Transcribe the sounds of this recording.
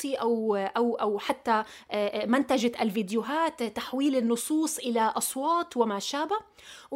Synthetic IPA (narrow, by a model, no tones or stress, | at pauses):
iʔawʔawʔawħat̪ːa | mɪnt̪ad͡ʒaʔalviːd̪jʊɦaːt̪ːaħwiːlɪnːʊsˤuːsˤʔɪlaʔɑsˤwɑːt̪ˤwɪmaʃaːba